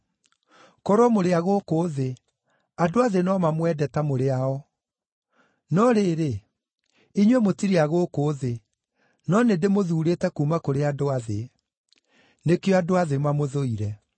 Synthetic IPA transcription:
kɔɾwɔmoɾeaɣokoðe | adoaðenɔmamwɛdɛtamoɾeaɔ | nɔɾeɾe | iɲwemotiɾeaɣokoːðe | nɔnedemoðuːɾetɛkuːmakoɾeadoaðe | nekeɔadoaðemamoðoiɾɛ

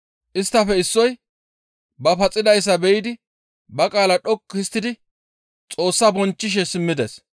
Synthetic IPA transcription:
ʔɪst̪ːɐfɛɪsːɔj | bɐfɐt͡sʼɪd̪ɐjs̬ːɐbɛjɪd̪ɪ | bɐkʼaːlɐɗɔkːhɪst̪ːɪd̪ɪ | t͡sʼo̞ːsːɐbɔnt͡ʃːɪʃ̬ɛsɪmːɪd̪es

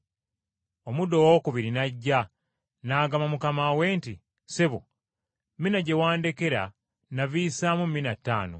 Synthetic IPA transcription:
o̞mudo̞wokuβiɾinaɟːa | naːɡamamukamaweːnti | seβu | mːinaɟe̞waːndeke̞ɾa̰ | naviːsamumːinatːa̰ːno̰

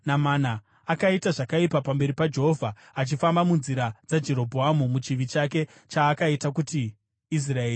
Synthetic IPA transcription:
namaːna | akaitaʐakaipapambe̞ɾipad͡ʒeɦovʱa | at͡ʃifambamunziɾad͡zad͡ʒe̞ɾo̞bʱoamumut͡ʃiʋit͡ʃake̞ | t͡ʃaːkaitak̬utiː | s̬raeːri

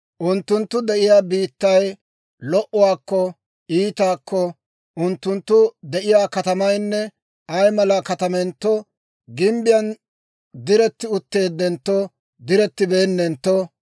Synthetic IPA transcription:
ʔʊnt̪ːʊnt̪ːʊd̪ɛʔɪjaːbiːt̪ːɐj | lɔʔɔwaːkːɔ | iːt̪aːkːɔ | ʔʊnt̪ːʊnt̪ːʊd̪ɛʔɪjaːkɐt̪ɐmɐjnːɛ | ɐjmɐlakɐt̪ɐmɛnt̪ːɔ | ɡɪmbɪjɐn | d̪ɪɾɛt̪ːɪʊt̪ːe̞ːd̪ːɛnt̪ːɔ | d̪ɪɾɛt̪ːɪbe̞ːnːɛnt̪ːɔ

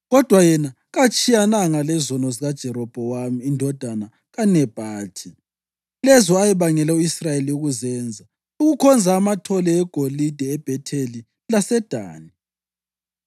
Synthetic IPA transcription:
ɣɔd̥ʱwajɛna | ɣat͡ʃʼijanaŋalɛzɔnɔziɣad̥ʒ̥ʱɛɾɔb̥ʱɔwamiːndʱɔd̥ʱana | ɣanɛb̥ʱaːtʰʼi | lɛzɔajɛβaŋɛlɛuisrajeliuɣuzɛːnd͡zʱa | uɣukʰɔnd͡zʱaːmatʰɔlɛːɡ̥ʱolid̥ʱɛːb̥ʱɛtʰeli | lasɛd̥ʱa̰ːni

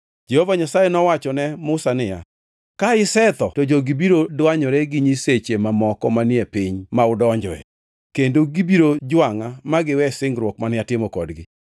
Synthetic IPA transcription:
d͡ʒehovaɲasajenɔwat͡ʃɔnɛmʊsanɪja̰ | kaɪsɛt̪ɔtod͡ʒoɡibiɾodwaɲɔɾɛɡɪɲiset͡ʃemamɔkɔmanɪepiɲmaʊdɔɲd͡ʒɔɛ̰ | kendoɡibiɾod͡ʒwaŋamaɡɪwɛsɪŋɡɾwɔkmanɪatɪmɔkɔdɡɪ

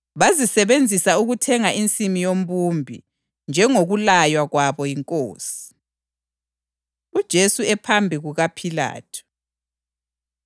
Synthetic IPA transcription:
βazisɛβend͡zʱisauɣutʰɛŋaʔint͡sʼimijom̩bumbʱḭ | nd͡ʒʱɛŋoɣulajwaɣwaβɔjiŋkʼoːsi̥ | ud̥ʒ̥ʱesuɛpʰambʱiɣuɣapʰila̰ːtʰu̥

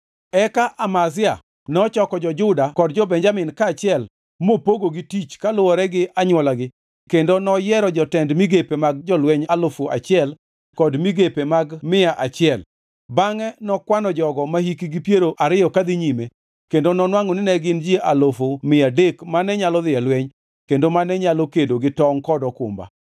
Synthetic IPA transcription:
ɛkaʔamazɪa | nɔt͡ʃɔkɔd͡ʒɔd͡ʒʊdakɔdd͡ʒɔbɛɲd͡ʒamɪnkaːt͡ʃɪɛl | mopoɡoɡɪtit͡ʃkalʊwɔɾɛɡɪʔaɲwɔlaɡɪ | kendonɔjɛɾɔd͡ʒɔtɛndmiɡepemaɡ̚d͡ʒɔlwɛɲalofoa̰t͡ʃɪɛl | kɔdmiɡepemaɡmɪaʔat͡ʃɪɛl | baŋɛnɔkwanɔd͡ʒɔɡɔmahikiɡipjeɾoʔaɾɪjɔkad̪ɪɲime | kendonɔnwaŋɔnɪnɛɡɪnd͡ʒjeʔalofomɪadekmanɛɲalɔðɪalweɲ | kendomanɛɲalokedoɡɪtɔŋkɔdɔkʊ̰mba̰

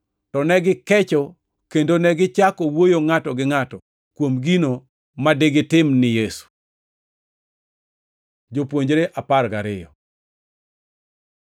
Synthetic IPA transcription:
tɔnɛɡɪkɛt͡ʃɔ | kendonɛɡɪt͡ʃakɔwojoŋatɔɡɪŋatɔ | kwomɡino | madɪɡɪtɪmnɪjesu̥ | d͡ʒopwoɲd͡ʒɾeʔaparɡaɾɪjɔ̰

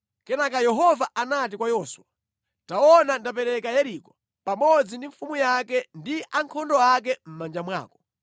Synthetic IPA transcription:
kɛnakajɛɦɔvaʔanat̬ikwajɔswa | taɔnandapɛɾɛkajɛɾikɔ̥ | pamɔd͡zindiɱfumujakɛndiʔaŋkʰɔndɔak̬ɛm̩mand͡ʒamwa̰ːkɔ̥

